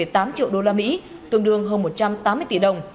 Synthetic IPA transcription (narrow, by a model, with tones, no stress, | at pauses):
e˧˩t̪aː˨˦mt͡ɕḭ˧˨əwɗo˧laː˧mḭ˧˥t̪ɨ˧˩əŋɗɨ˧˩əŋɦəː˧nmo˨˩t̚t͡ɕa˧mt̪aː˨˦mːɨ˧jt̪i˧˩ɗə˨˩wŋ͡m